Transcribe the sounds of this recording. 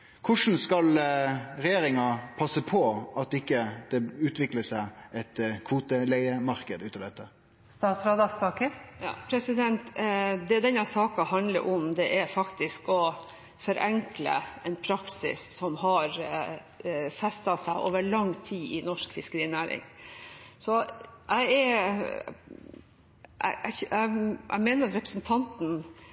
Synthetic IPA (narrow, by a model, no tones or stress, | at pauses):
kʰʊʂn̩skɑlɾɛjeːɾɪŋɑpʰɑsəpʰɔɑt̪ːɪkːəd̪̥ɛʉːt̪ʰʋɪkləsæɪɛt̪kʰʋuːt̪əlæɪəmɑɾkəd̪ʉːt̪ɑʋd̪ɛt̪ːə | st̪ɑːt̪sɾɑːd̪ɑsp̪ɑːkəjɑ̰ːpʰɾɛsɪd̪ɛnt̪d̪ɛd̪ɛnːæsɑːkɑhɑnd̪lə̰ɾʔɔmd̪ɛʔæɾfɑkt̪ɪskɔ | fɔɾʔɛŋklə̰ɛnpʰɾɑksɪ̰sːɔmɦɑɾ | fɛst̪ɑsæɪʔoːʋəɭɑŋːt̪ʰiːʔɪnɔʂkfɪskəɾiːnæːɾɪ̰ŋ | sɔʔæɪɛɾ | ʔæ̰ʔæ̰æʔæ̰ɪmeːnəɾɑt̪ɾɛpɾəsn̩t̪ʰɑnt̪n̩